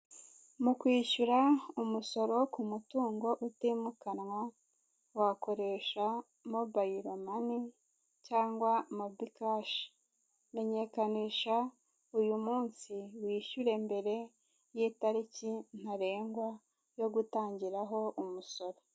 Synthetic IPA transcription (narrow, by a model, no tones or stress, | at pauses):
mukwiːʃuɾaumuso̞ɾo̞kumutuːŋɡo̞ʔutiːmukanwa | wako̞ɾe̞ʃa | mobajiɾomani | caːŋɡwamobikaʃ | me̞ɲe̞kaniːʃa | ujumuːnsiwiːʃuɾe̞mbe̞ɾe̞ | jiːtaɾicin̥haɾe̞ːŋɡwa | jo̞ɡutaːɲɟiɾaɦo̞ʔumuso̞ɾo̞